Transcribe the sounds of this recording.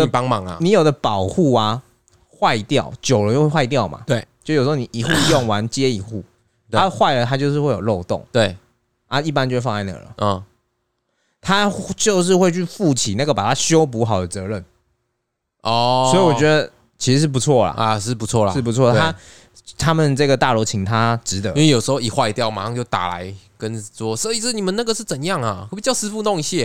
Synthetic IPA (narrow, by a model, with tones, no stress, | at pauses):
pɑ˦ŋmɑ˨˦ŋa̰˧ni˨˦jo˨˩ʊd̪ə˦pɑ˨˩ʊxu˥˩a˩ | xwa˥˧ɪt̪jɑ˥˨˩ʊt͡ɕjo˨˩ʊlə˧˦jo˥˧wxwa˥˧ɪt̪̬jɑ˥˨ʊma̰˨t̪we˥˩ɪt͡ɕjjʂ̩˧˥˧ni˨ʔi˨˩xu˥˧jɔ˥˩ŋwa˧˦nt͡ɕjɛ˦i˨˩xu˥˩ | a˦xwa˥˩ɪlə˨t̪ʰa˥t͡ɕjo˥˧ʊʂ̬̩˥˧we˥˩ɪjo˨˩lo˥˧ʊt̪o̰˥˨˩ŋt̪we˥˩ɪ | a˥i˥˩pa˦nt͡ɕo˥˧wfɑ˥˧a˥˧ɪna̰˥˨˩ɡə̰˨lə̰˩˨˩ | t̪ʰa˦t͡ɕjo˥˧ʊʂ̬ɻ̩˥˧xwe˥˧ɪt͡ɕʰy˥˧fu˥˨t͡ɕʰi˨˩na˥˩ɡə˩pa˨˩t̪ʰa˦ɕjo˦˥ʊp̬u˧˦xɑ˨˩ʊd̪ə˨t͡sɤ˧˦ɻə˥˨n | ʔɔ˥˧˩swɔ˧˥i˨wɔ˨˩t͡ɕɥɛ˧˦d̪ə˧ | t͡ɕʰi˧˥ʂɻ̩˧˥ʂɻ̩˥p̬u˧˦t͡sʰwɔ˥˩la̰˩˨˧ʂɻ̩˥˩pu˧˦t͡sʰwɔ˥˩la̰˨ʂ̩ɻ̩˥˩p̬u˧˥t͡sʰwɔ˥˨t̪e˥a˦˥ | t̪ʰa˥mə˨nʈ͡ʂɤ˥˩ɡə˩t̪a˥˩lo˧˥ʊt͡ɕʰi˧˥ŋt̪ʰa˥ʈ͡ʂɻ̩˧˥t̪ə̰˧˦ĩ˦ŋwe˥˨jo˨˩ʂɻ̩˧˥xo˥˧ʊi˨˩xwa˥˧ɪt̪jɑ˥˨ʊma˨˧˥t͡ɕjo˥˩ʊt̪a̰˨˩la̰˧˦ɪkə˦nswɔ˦˥sə˧˥i˨˩s̩˥˩ni˨˩mə˨˦na˥˩ɡə˨ʂɻ̩˥˩t͡sə˨˩njɑ˥˨˩ŋa˨˩pi˨˩t͡ɕjɑ˥˩ʊsɹ̩˥fu˥˧t̪o˥˧ŋi˧˥ɕjɛ˥˩